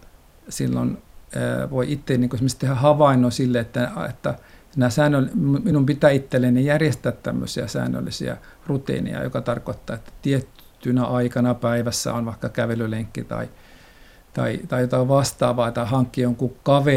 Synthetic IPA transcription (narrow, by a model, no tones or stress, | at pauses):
silːonə̰ʋoiʔit̪ːeniŋkoesmest̪ehæhɑʋɑˑinˑoːsilːeet̪ːæɑḛt̪ːænæːsæːnːølmuminumpit̪æːit̪ːelːenijærjest̪æːt̪t̪æmːø̰siæ̰sæ̰ːnːø̰lːisḭæ̰rut̪ḛːnḭɑ̰jo̰kɑt̪ɑrkoit̪ːɑːet̪ːæ̥t̪iet̪ | t̪ːynæʔɑikɑnɑpæiʋæsːæ̰onʋɑikːɑkæʋelyleŋkːit̪ɑ̰i | t̪ɑ̰it̪ɑijot̪ɑʋɑst̪ɑ̰ːʋɑːt̪ɑhɑŋkːioŋkukɑʋe